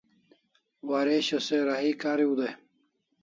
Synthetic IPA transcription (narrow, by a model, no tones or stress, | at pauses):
waːɾeɕɐseɾaɦikaːɾiud̪ej